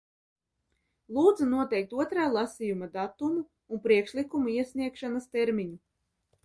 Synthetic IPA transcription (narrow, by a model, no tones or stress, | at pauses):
lˠuːd̪zunuɔt̪ɛjk̚t̪uɔt̪ɾaːlˠɑsijumad̪at̪umuː | npɾiɛkʃlikumuiɛsʲniɛkʃanast̪eɾmʲiɲu